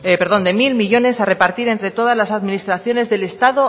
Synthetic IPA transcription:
epe̞ɾðo̞nd̪emilmiʎo̞ne̞sare̞paɾt̪iɾe̞nt̪ɾe̞t̪o̞ð̞azlasaðminist̪ɾaθjo̞ne̞zðe̞le̞st̪aðo̞

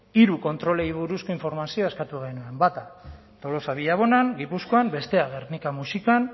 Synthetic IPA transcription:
iɾuko̞nt̪ɾo̞le̞jβ̞uɾusko̞iɱfo̞ɾmasioeskat̪uɣejnue̞mbat̪a | t̪o̞lo̞saβiʎaβ̞o̞naŋɡipusko̞ambe̞st̪e̞aɣernikamusikan

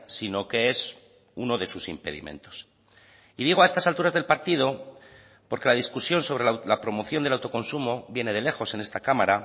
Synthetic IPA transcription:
sino̞ke̞e̞s | uno̞ðe̞susimpe̞̰ðḭmḛ̃nt̪o̞̥s | iðiɣ̞oae̞st̪asalt̪uɾazðe̞lpaɾt̪ið̞o̞ | po̞ɾke̞laðiskusjo̞nso̞β̞ɾe̞llapɾo̞mo̞θjond̪elawt̪o̞ko̞nsumo̞βje̞ne̞ð̞e̞le̞xo̞se̞ne̞st̪akamaɾa

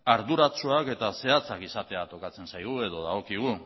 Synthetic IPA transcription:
aɾðuɾat͡suake̞t̪ase̞at͡sakisat̪e̞at̪o̞kat͡se̞nsajɣue̞ðo̞ðaɣo̞kiɣ̞u

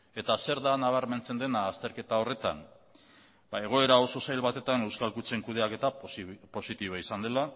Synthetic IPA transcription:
e̞t̪ase̞ɾðanaβ̞aɾme̞nt͡se̞nd̪e̞naːst̪e̞ɾke̞t̪ao̞re̞t̪a̰n | bae̞ɣ̞o̞e̞ɾao̞so̞sajlβat̪e̞t̪ane̞wskalkut͡se̞ŋkuð̞e̞ake̞t̪apo̞sit̪iβ̞aisand̪e̞la

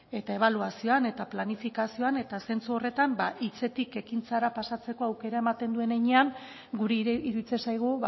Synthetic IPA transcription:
e̞t̪ae̞βaluasio̞ane̞t̪aplanifikasio̞ane̞t̪ase̞nt͡suo̞re̞t̪ambaʔit͡se̞t̪ike̞kint͡saɾapasat͡se̞ko̞awke̞ɾae̞mat̪e̞nd̪ue̞neɲe̞aŋ | ɡuɾeiɾuit͡sesajɣ̞uβ

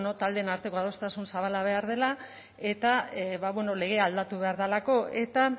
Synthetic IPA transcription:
not̪ald̪e̞ːnaɾt̪e̞ko̞að̞o̞st̪asunsaβ̞alaβ̞e̞aɾð̞e̞la | e̞t̪aβaβweno̞le̞ɣ̞e̞ald̪at̪uβe̞aɾðalako̞ʔe̞t̪a

